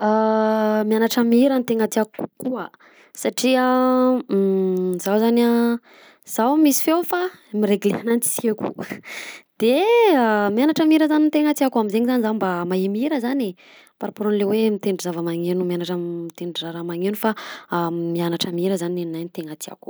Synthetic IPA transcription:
amianaʈ͡ʂəmiiɾənt̪eŋat̪iaku̥kukuə | saʈ͡ʂia | z̥awzana | z̥awmisi̥fewfamiɾeɡlḛanant͡si̥sekṵ | d̪̥eamianaʈ͡ʂamiɾəzanint̪eŋat̪iakuamizeŋizanizambamaemiɾəzane | paɾapuɾonlewemit̪eɳɖ͡ʐuzavəmaŋenumjanaʈ͡ʂait̪eɳɖ͡ʐraɾamaŋenufa | mianaʈ͡ʂəmiɾəzanineninajnit̪eŋat̪ia̰ku̥

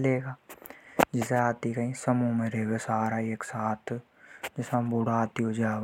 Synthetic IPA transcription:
leːɡaː | d͡ʒɪseaːt̪ikɐĩsɐmumẽɾeɡesaːɾaeːksaːt̪ʰ | d͡ʒɪsãbʊɽaːt̪iɦod͡ʒaː

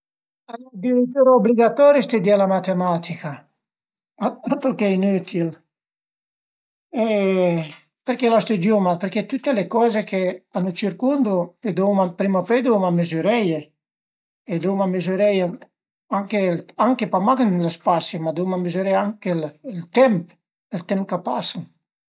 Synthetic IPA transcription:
alɔd̪iɾet̪uɾaobliɡat̪ɔːɾjist̪ed̪ialamat̪emat̪ika | aat̪okɛinyt̪ʰil | e | peɾkelast̪ud̪jumapeɾket̪ut̪ːelekɔːzekeanːut͡ʃiɾkund̪ued̪owmapɾimaped̪owmamezyɾɛje | ed̪omamezyɾɛja | aŋkelaŋkepamakenlaspasimad̪owmamezyɾɛjaŋkellt̪ɛmp | elt̪ɛmpkapasan

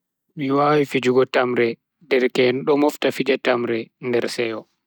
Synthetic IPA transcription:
miwawifid͡ʒuɡɔtamɾɛ | dɛɾkɛnɗɔmɔftafid͡ʒatamɾɛndɛɾsɛɔ

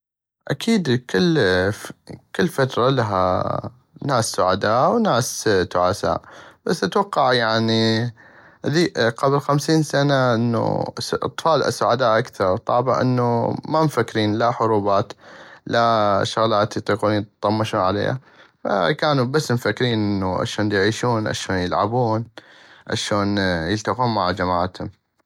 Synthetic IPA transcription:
ʔakʰiːd̪kʰɪl | kɪlːfat̪ɾˤɑlaɦa̰ | naːsːʊʕad̪aːʔwnaːst̪ʊʕaːsa̰ːʔb̥asːʔat̪wɑqːɑʕjaʕni | ʔðiːʔqɑblxamsiːnsanaʔɪnːṵʔɑ̰t̪ˤfɑːlʔa̰sːʊʕad̪aːʔakθɑɾˤt̪ˤɑ̰ːbaʔɪ̰nːumamfakːɾiːnlaħʊɾuːbaːt̪laʃʊɣlaːt̪jɨt̪ˤiːquːnjt̪t̪ˤːɑmːɪʃuːnʕalḛːha̰ | fa̰kaːnubasːmfakːɾiːnʔɪnːuʔa̰ʃoːnjʕiːʃuːnʔa̰ʃoːnjɪlʕa̰buːnʔa̰ʃoːnjəlt̪aquːnmaʕd͡ʒamaːʕat̪hʊm

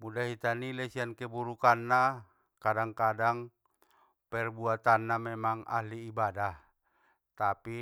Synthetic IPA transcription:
mudaɦit̪anilɛsiankɛbuɾukanːa | kadaŋkadaŋ | pɛrbuat̪anːamɛmaŋa̰ɦliːbadah | t̪api

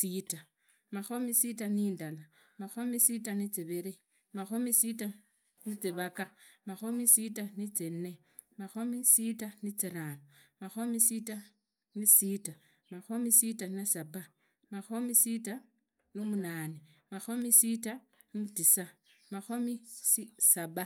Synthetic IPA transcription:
sita | maxomisitaniːndala | maxomisitanit͡siβeɾe | maxomisita | nit͡siβakamaxomisitanit͡senːe | maxomisitanit͡siɾaːnomaxomisita | nisita | maxomisitanasaba | maxomisita | nimunaːnimaxomisita | nitisa | maxomisisaba

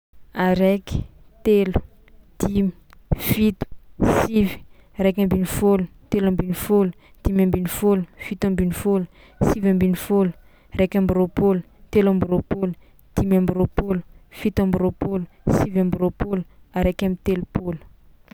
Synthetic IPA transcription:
aɾeki̥t̪elu̥ | d̪̥imifit̪u̥sivi̥ | aɾekʲambinifolut̪elambinifolu̥ | d̪̥imambinifolufit̪ambinifolu̥ | sivambinifolu̥ | aɾekʲambiɾopolu̥ | t̪elambiɾopolu | d̪̥imambiɾopolu̥fit̪ambiɾopolu̥sivambiɾopoluaɾekamit̪elupolu̥

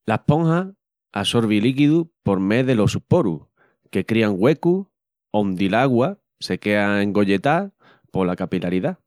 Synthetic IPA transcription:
lapõ̞ŋha | a̰so̞ɾβilikiðupo̞ɾme̞ðe̞lo̞supoɾṵ | ke̞kɾiaŋɡwe̞ku | ond̪ilaɣwa | se̞ke̞aeŋɡo̞ʎe̞t̪a | po̞lakapilaɾiða

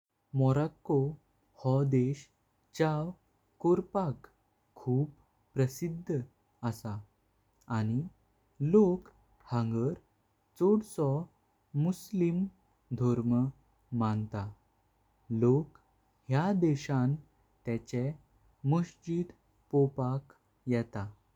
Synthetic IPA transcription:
mɔɾakːo | hɔd̪eɕ | t͡ɕaw | koɾpak | kʰːuːpː | ɾəsid̪ʱːə | əsa | aɽ̃i | lok | hə̃ŋɡəɾ | t͡sɔɽsɔ | muslim | d̪ʱɔɾmə | mant̪a | lok | hjad̪eɕãn | t̪ɛt͡ɕe | muɕd͡ʑid̪ | pɔpak | jɛt̪a

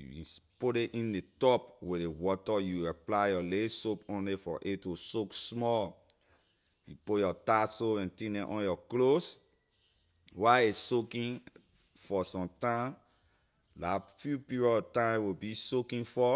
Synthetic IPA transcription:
ṵspodeʔĩndetɔpwiewɔtɔjuaplaɪjɔlesopõnlifɔ̰ʔetosoksmɔl | jupojɔtasoɛ̃ntĩdɛ̃ʔɔ̃njɔklos | waesokĩn | fɔsɔ̃mtãm | lafjupiɹɔtãɪmwibisokĩnfɔ

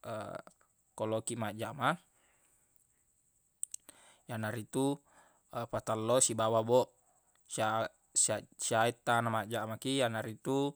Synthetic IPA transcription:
ə̰ | kolokimaʔd͡ʒaʔma | janaɾit̪u | pat̪alːosibawabɔʔ | sia | sasiait̪ːanamad͡ʒaʔmakijanaɾit̪u

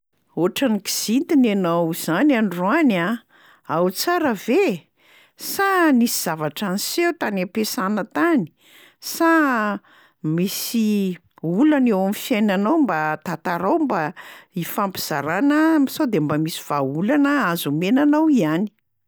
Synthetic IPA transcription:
oʈ͡ʂaniki̥z̥int̪inanawz̥ananrana | awt͡saɾəve | sanisiz̥avaʈ͡ʂanisewt̪anapesanət̪ani̥ | sa | misi | ulanewamifiajnanawmbat̪at̪aɾawmbaifampiz̥aɾanəmisawd̪embamisi̥v̥aulanəazumenanawiani̥

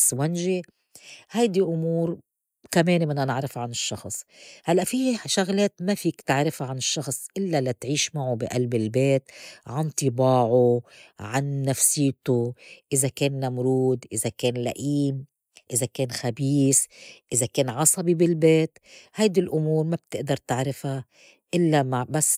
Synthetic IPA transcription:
swanʒi | hajd̪iʔʊmuːɾ | kameːnmɪnːanɪʕɾɪfʕanɪʃːɑxsˤhalːaʔfiʃaɣleːt̪mafiːkt̪ɪʕɾɪfʕanɪʃːɑxsˤʔɪlːalat̪ʕiːʃmaʕubɪʔalbɪlbeːt̪ʕant̪ˤɨbɑːʕuʕanːafsɪːt̪uʔɪzakeːnːamɾuːd̪ʔɪzakeːnla̰ʔiːm | ʔɪzakeːnxabiːsʔɪzakeːnʕɑsˤɑbibɪlbeːt̪hajd̪ilʔʊmuːɾmab̥̚t̪ɪʔd̪ɑɾˤt̪ɪʕɾɪfa | ʔɪlːamabasː

